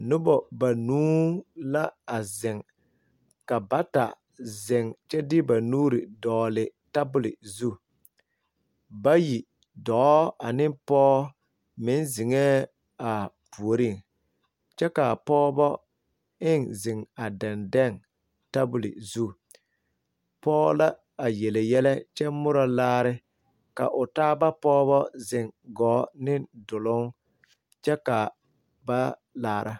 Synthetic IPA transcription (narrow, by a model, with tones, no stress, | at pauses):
nʊ˦bɔ˨ba˨nuː˦la˦a˨zɪ˨ŋ | ka˨ba˦ta˨ | zɪ˨ŋt͡ʃɛ˦dɪ˦ba˨nuː˦ɾɪ˨dɔː˨lɪ˨ta˦bʊ˦lɪ̰˨zu˦ | ba˦ji˨ | dɔ˨˦a˨nɪ˦pɔː˦ | mɪ˨˦nzɪ˨ŋɛ˦ | a˨pu˨o˨ɾi˦˨ŋ | t͡ʃɛ˦ka˨pɔː˦bɔ˦ | ɪ˦ŋzɪ˨ŋa˨dɛ˨ndɛ˦˨ŋ | ta˦bʊ˨lɪ̰˨zu˦ | pɔː˦la˦ | a˨jɛ˨le˨jɛ˦lɛ˦t͡ʃɛ˦mʊ˦ɾɔ˨laː˦ɾɪ˦ | ka̰˨ʔʊ˨taː˦ba˦pɔː˦βɔ˦zɪ˨ŋɡɔː˨˦nɪ˦dʊ˨lʊ˦ŋ | t͡ʃɛ˦ka˨ | ba˦laː˨ɾʔa˦